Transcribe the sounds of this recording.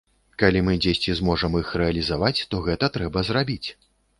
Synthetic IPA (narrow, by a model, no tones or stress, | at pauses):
kalʲimɨd͡zʲesʲt͡sʲizmɔʐɐmixrɛɐlʲizavat͡sʲt̪ɔɣɛt̪ɐt̪ɾɛbɐzrabʲit͡sʲ